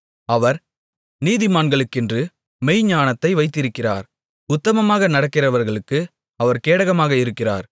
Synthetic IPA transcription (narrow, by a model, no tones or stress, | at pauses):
ɐʋɐɾ | niːðɪmaːnɡɐɭɯkːɪndrɯ | mɛɪɲaːnɐt̪ːɐɪʋɐɪt̪ːɪɾɯkːɪra̰ːɾ | ʊt̪ːɐmɐmaːɣɐnɐɽɐkːɪrɐʋɐɾɣɐɭɯkːɯ | ɐʋɐɾkeːɽɐɣɐmaːɣɐɪɾɯkːɪra̰ːɾ